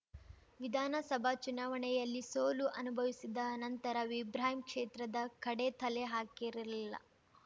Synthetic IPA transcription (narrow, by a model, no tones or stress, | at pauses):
ʋid̪ʱaːnɐsɐbʱat͡ʃunaːʋɐɳɛjɐlːisoːluʔɐnubʱɐʋisid̪ɐnɐnt̪ɐɾɐʋibɾaːɦimkʂeːt̪ɾɐd̪ɐkɐɽet̪ɐleɦaːkiɾiɾɐlilːɐ̰